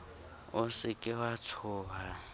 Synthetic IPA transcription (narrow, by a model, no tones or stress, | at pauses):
ʊsɪkʼɪwat͡sʰʊːβa